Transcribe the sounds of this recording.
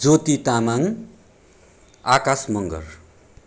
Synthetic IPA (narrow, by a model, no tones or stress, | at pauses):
d͡zot̪it̪amaŋ | akasmʌŋɡʌ̰r